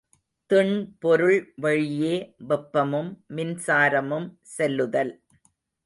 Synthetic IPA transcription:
t̪ɪɳpɔɾɯɭʋɐɻɪjeːʋɛpːɐmɯmːɪnsaːɾɐmɯm | sɛlːɯðɐl

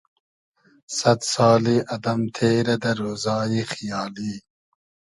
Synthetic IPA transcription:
sɐt̪sɑːliʔɐd̪ɐmt̪ʰeːɾɐd̪ɐɾoːzɑːjixijɑːliː

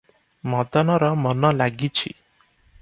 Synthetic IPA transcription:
mɔd̪ɔnɔɾɔmɔnɔlaɡit͡ʃʰḭ

